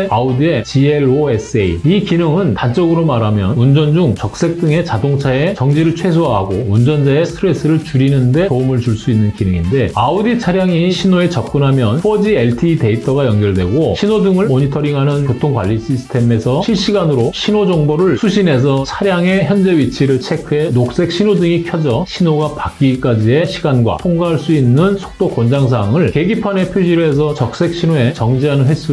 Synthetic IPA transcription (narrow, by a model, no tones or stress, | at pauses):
eaudie̞t͡ɕieɭoes͈eiikinɯŋɯnntant͡ɕ͈ʌɡɯɾomaɾamjʌnund͡ʑʌnd͡ʑuŋt͡ɕʌk̚s͈e̞k̚t͈ɯŋe̞t͡ɕadoŋt͡ɕʰae̞t͡ɕʌŋd͡ʑiɾɯɭt͡ɕʰwe̞s̬ʰoɦaaɡound͡ʑʌnd͡ʑae̞stʰɯɾes͈ɯɾɯɭt͡ɕuɾinɯnde̞toumɯɭt͡ɕuɭs͈uinːɯnkinɯŋinde̞audit͡ɕʰaɾjaŋiɕʰinoe̞t͡ɕʌp̚k͈ɯnɦamjʌnɸʰʌd͡ʑieɭtʰiːte̞itʰʌɡajʌnɡjʌɭdwe̞ɡoɕʰinodɯŋɯɭmoɲitʰʌɾiŋɦanɯnkotʰoŋkwa̰ʎːiɕ͈isʰɯ̥tʰe̞me̞sʰʌɕʰiɭɕ͈iɡanɯɾoɕʰinod͡ʑʌŋbʌɾɯɭsʰuɕʰine̞sʰʌt͡ɕʰaɾjaŋe̞çjʌnd͡ʑe̞ɥit͡ɕʰiɾɯɭt͡ɕʰe̞kʰenok̚s͈e̞k̚ɕ͈ʰinodɯŋikʰjʌd͡ʑʌɕʰinoɡapak͈̚ik͈ad͡ʑie̞ɕʰiɡanɡwa̰tʰoŋɡaɦaɭs͈uinːɯnsʰo̥k̚t͈okond͡ʑaŋsʰaːŋɯɭke̞ɡipʰane̞pʰjod͡ʑiɾe̞s̬ʰʌt͡ɕʌk̚s͈e̞k̚ɕ͈ʰinoe̞t͡ɕʌŋd͡ʑiɦanɯnɦe̞s͈u